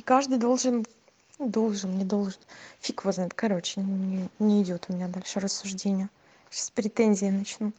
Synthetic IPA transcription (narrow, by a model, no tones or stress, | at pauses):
kaʐd̪ɨjd̪o̞lˠʐɨn | d̪o̞lˠʐɨnnʲɪd̪o̞lˠʐɨnfʲikvəznt̪kɐɾo̞t͡ɕɪ̥nʲɪnʲɪːdʲo̞t̪ʊmʲɪnʲad̪alʲʂɨrəsːʊʐdʲenʲɪjə | spɾʲɪt̪enʲzʲɪːnɐt͡ɕnu